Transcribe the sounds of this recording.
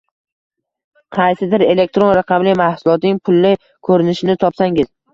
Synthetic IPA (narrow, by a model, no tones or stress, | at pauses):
qʰɑjsɪd̪ɪɾe̞le̞k̚t̪ɾo̞nɾɑqʰɑmlɪmahsʊlˠɒt̪nɪŋpʰʊlːɪ | kʰɵɾɪnɪʃɪnɪt̪ʰɒpsaŋɪz